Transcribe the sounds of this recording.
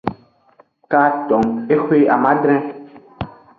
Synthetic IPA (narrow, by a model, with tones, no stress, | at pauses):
ka˦t̪ɔ˨me˦xwe˦ʔa˨mã˦dɾ̃ɛ̃˦